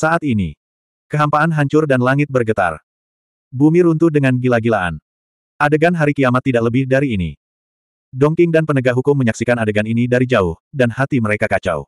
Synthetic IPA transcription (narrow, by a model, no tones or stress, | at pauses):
saʔat̪inḭ | kəɦampaːnɦaɲt͡ʃʊrdanlaŋɪt̪̚bərɡət̪a̰r | bumiɾunt̪udəŋanɡilaɡilaʔa̰n | ʔadəɡanɦaɾikiamat̪ːidaʔləbɪhdaɾiːnḭ | dɔŋkɪŋdanpənəɡaɦukʊmːəɲaksikanadəɡaninidaɾid͡ʒaʊhdanhat̪iməɾekakat͡ʃa̰w